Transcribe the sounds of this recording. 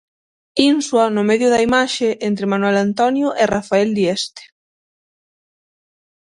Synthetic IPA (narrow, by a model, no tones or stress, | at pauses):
inswɐnʊmeðjʊðɐimaʃeʔent̪ɾɪmanuelant̪ɔnjʊʔerafaeld̪iest̪e̥